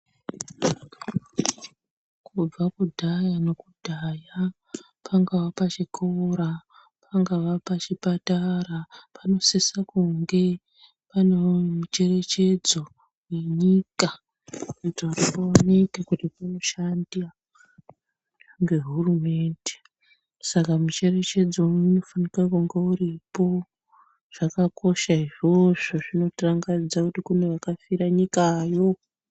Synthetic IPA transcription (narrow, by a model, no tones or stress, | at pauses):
kʰub͡vakudʱajano̞kudʱaja | pʰaŋɡaʋapat͡ʃikʰoɾa | pʰaŋɡaʋapat͡ʃipatarapano̞sisakuŋɡe̞ | panomut͡ʃe̞re̞t͡ʃe̞d͡zo | we̞ɲika | utouripoanekekutipuno̞ʃandia | ŋɡe̞ɦurume̞ːnde̥ | sakamut͡ʃe̞re̞t͡ʃe̞d͡zouno̞fanikakuŋɡeuɾipo̞ | ʐ̥akako̞ʃaiʐo̞ʐo̞ʐino̞traŋɡad͡zakutikunejakafiɾaɲikaːjo̞